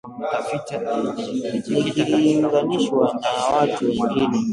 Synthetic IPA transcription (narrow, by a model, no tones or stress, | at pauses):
naɡiliŋɡaniʃwanawatuwɛŋɡini